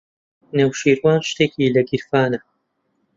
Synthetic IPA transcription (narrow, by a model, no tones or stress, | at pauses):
newʃiːɾwaːnʃt̪eːkiːlɐɡiɾfaːnɐ